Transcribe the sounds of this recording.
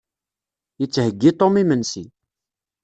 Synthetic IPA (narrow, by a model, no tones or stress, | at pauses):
jət͡sːhəɡːit̪ˤomimənsi